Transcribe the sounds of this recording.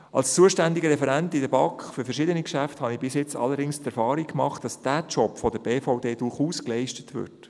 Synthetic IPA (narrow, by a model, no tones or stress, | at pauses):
ʔɑ̰lst͡suəʃtændiɡəɾɛfɛɾæntidəbɑkχfʏɾfəɾʃɪdənikʃæfthɑnibɪsjɪt͡sɑ̰lːəɾdɪŋst̪ɛɾfɑːɾikkmɑχt̚d̥ɑsd̥æːt͡ʃɔpfɔdəb̥eːfaʊdeːd̥ʊɾχuːsklɛɪʃtə̥tʋʏ̰ɾt